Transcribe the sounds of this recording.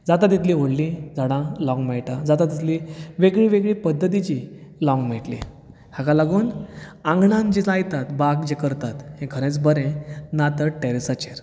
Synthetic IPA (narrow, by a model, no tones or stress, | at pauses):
d͡zat̪at̪it̪liʋoɽlid͡zʱaɽ̃ãlɔ̃ŋɡmeɭʈad͡zat̪at̪it̪ʰliʋeɡɭiːʋeɡɭipəd̪ːət̪̬it͡ɕilɔ̃ŋɡmeʈlḭ | hakalaɡuːnãŋɡʱɳãnd͡ʑit͡sajt̪at̪baɡd͡ʑekəɾt̪at̪hẽkʰəɽ̃ẽt͡sbəɾẽnat̪əʈeɾesat͡ɕeɾ